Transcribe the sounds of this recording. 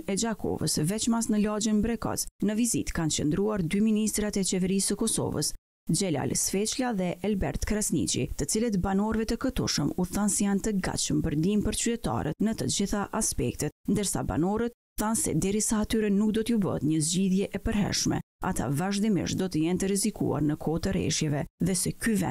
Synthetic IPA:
ɛd͡ʒakʰɔ̰və̰svɛt͡ʃmasnəlad͡ʒənbɾɛkɔ̰t͡snəvizit̪kant͡ʃə̰nd̪ɾuaɾd̪yminist̪ɾat̪ɛt͡ʃɛvɛɾisəkɔsɔ̰və̰s | d͡ʒɛla̰lsfɛt͡ʃlaðɛʔalbɛɾt̪kɾasnḭt͡ʃḭt̪ət͡silət̪banɔɾvɛt̪əkət̪ṵʃəmuθansɛjant̪əɡa̰t͡ʃəmpəɾnd̪impəɾt͡ɕyt̪ɛt̪a̰ɾət̪nət̪əd͡ʑiθaʔaspɛkt̪ɛt̪nd̪əɾsa̰ba̰nɔɾət̪̚ | θansɛ̰d̪ɛɾisaːt̪yɾɛnuk̚d̪ɔt̪əubə̰ɦət̪ɲəzd͡ʑiðjɛʔɛpəɾɦɛ̰ɾʃmɛ̰ | a̰t̪ʰa̰vaʒd̪imḭʃt̪d̪ɔt̪əjɛnt̪əɾɛzikṵa̰ɾnəkʰɔt̪əɾɛ̰ʃjɛvɛðɛsɛkyvɛ̰

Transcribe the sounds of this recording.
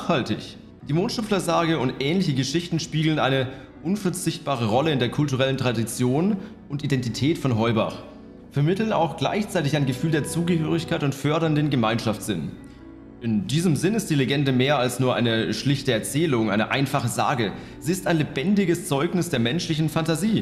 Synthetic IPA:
haltɪ̰ç | d̥iːmoːnʃʊpflɐzaːɡəʊntʔɛːnlɪçəɡəʃɪçtn̩ʃpiːɡl̩ənʔaɪnə | ʔʊnfɛɐt͡sɪçt̚b̥aːʁ̞əʁɔləɪndeːɐkʰʊltuʁ̞ɛləntʁ̥adit͡sjoːn | ʊntidɛntitʰɛːtfɔnɦɔʏba̰χ | fɛɐmɪtl̩na̰ʊxɡ̥la̰ɪçt͡saɪtɪçaɪnɡəfyːldeːɐt͡suːɡəhøːʁ̞ɪçkʰaɪtʊntfœɐɾɐndeːnɡəmaɪnʃaftz̥ɪn | ʔɪndiːzəmzɪnɪstd̥iːleɡɛndəmeːɐalsnuːɐʔa̰ɪnəʃlɪçtəɛɐt͡sɛːlʊŋaɪnəʔa̰ɪnfaχəza̰ːɡə | z̥iːɪstaɪnlebɛndɪɡəst͡sɔʏknɪsd̥eːɐmɛnʃlɪçn̩fantaziː

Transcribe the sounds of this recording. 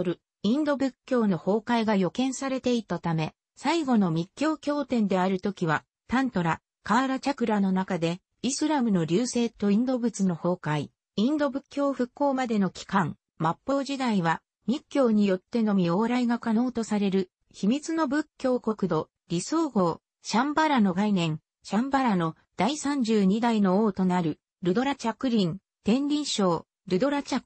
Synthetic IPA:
ɾɯ̟ | ĩnd̪o̞bɯ̟kʲːo̞ːno̞ho̞ːkaiɡajo̞kẽ̞ɰ̃saɾe̞t̪e̞it̪at̪ame̞ | saiɡo̞no̞mʲikʲːo̞ːkʲo̞ːt̪ẽ̞nd̪e̞aɾɯ̟t̪o̞kʲiβa | t̪ãnt̪o̞ɾa | kaːɾat͡ɕakɯ̟ɾano̞nakad̪e̞ | isɨɾamɯ̟no̞ɾʲɨːse̞ːt̪o̞ĩnd̪o̞bɯ̟t͡sɨno̞ho̞ːkai | ĩnd̪o̞bɯ̟kʲːo̞ːɸɯ̟kːo̞ːmad̪e̞no̞kʲi̥kãŋ | mapːo̞ːʑid̪aiβa | ɲ̟ikʲːo̞ːɲ̟ijo̞t̪ːe̞no̞mʲio̞ːɾaiɡakano̞ːt̪o̞saɾe̞ɾɯ̟ | çimʲit͡sɨno̞bɯ̟kʲːo̞ːko̞kɯ̟d̪o̞ | ɾʲiso̞ːɡo̞ː | ɕãmbaɾano̞ɡainẽ̞ŋ | ɕãmbaɾano̞ | d̪̥aisãɲ̟d͡ʑɨːɲ̟id̪aino̞oːt̪o̞naɾɯ̟ | ɾɯ̟d̪o̞ɾat͡ɕakɯ̟ɾʲĩŋ | t̪ẽ̞nɾʲĩɰ̃ɕo̞ː | ɾɯ̟d̪o̞ɾat͡ɕak

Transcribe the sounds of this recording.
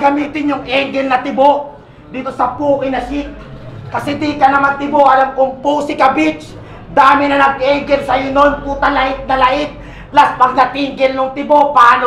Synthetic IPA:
ɡɐmiːt̪ɪnjʊŋʔɛŋɡɛlnɐt̪ɪboʔ | d̪iːt̪osɐpuːʔɪnɐʃit̪̚kɐsɛd̪ikɐnɐmant̪ɪboʔɐlamkʊŋpuːsɪkɐbit͡ʃ | d̪aːmɪnɐnɐɡ̚ʔɛɡɛlsɐjɪnonkuːt̪alɐʔɪt̪̚nɐlɐʔɪt̪̚ | laspɐɡ̚nɐt̪iŋɡɪlnʊŋt̪ɪboʔpaaːno

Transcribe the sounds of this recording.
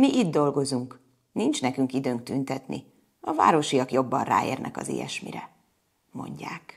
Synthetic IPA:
miʔid̪d̪o̞lɡo̞zuŋk | nint͡ʃnɛkyŋkid̪øːŋk̚t̪ynt̪ɛt̪nḭ | ɒva̰ːɾo̞ʃijɒkjo̞bːɒnra̰ːḛːrnʔɛkɒzḛːjɛ̰ʃmḭɾɛ | mo̞̰ɲɟaːk

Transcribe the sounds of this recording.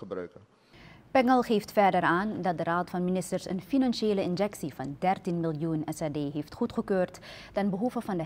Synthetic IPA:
əbrœ̰ɥkə | pɛŋəlˠχeːftfɛɹdəɾaːndɑt̚dəraːtfɑnminɪstəɹsə̰nfinɑnʃeːləɪnd͡ʒɛksivɑndɛrtinmɪlˠjunɛsaːdeːɦeːftχutχəkøːrt | tɛnbəɦuvəvɑndə

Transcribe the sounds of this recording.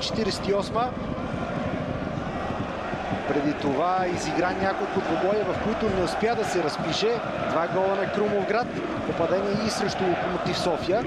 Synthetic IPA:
t͡ʃɛ̥t̪iɾɛsɛ̥t̪iɔsmə | pɾɛd̪it̪ovaiziɡɾanʲjakolˠkʊd̪oɡɔjʲɐvɐfkoit̪ʊnɛʊspjad̪ɐsɛɾɐspiʃɛ | d̪vaɡɔlˠɐnɐkɾumovɡɾat̪ | popɐd̪ɛniɛisɾɛʃt̪okomot̪isɔfijə

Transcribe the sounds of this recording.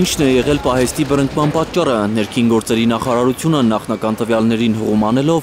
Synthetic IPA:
int͡ʃʰnɛjɛʁɛlpɑɦɛst̪ibəɾəŋkmɑnpɑt̪̚t͡ʃːɑrənɛɾkʰinɡɔɾt͡sɛɾinɑχɑɾɑɾut͡sʰjunənɑχnɑkɑnt̪əvjɑlnɛɾinhəʁumɑnɛlɔv

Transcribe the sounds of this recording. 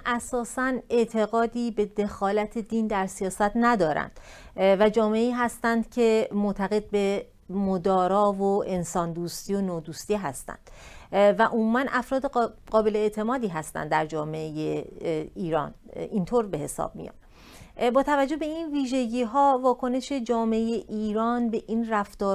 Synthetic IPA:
ʔæsɒːsæneʔt̪ʰe̞ɣɒːd̪iːbe̞d̪e̞xɒːlæt̪ʰe̞d̪iːnd̪æɾsijɒːsæt̪næd̪ɒːɾæ̰nd̪̥væd͡ʒɒːmeeiːɦæst̪ænd̪̥cʰe̞mot̪ʰæɣe̞d̪̚be̞ | mod̪ɒːɾɒːvoʔe̞nsɒːnd̪uːst̪iːonoːd̪uːst̪iɦæst̪æ̰nd̪̥væʔomuːmænʔæfɾɒːd̪eɢɒːbeleet̪ʰe̞mɒːd̪iːɦæst̪æ̰nd̪d̪æɾd͡ʒɒːme̞ejeiːɾɒ̰ːnint̪ʰoːɾbe̞he̞sɒ̰ːb̥̚mḭjɒ̰m | bɒːt̪ʰævæd͡ʒːo̞hbe̞inviːʒe̞ɟiːɦɒːvɒːkʰo̞ne̞ʃe̞d͡ʒɒːmeejeʔiːɾɒːnbe̞ʔinræft̪ɒː

